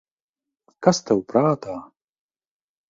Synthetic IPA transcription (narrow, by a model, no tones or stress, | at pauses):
kɐst̪ɐwpɾaːt̪aː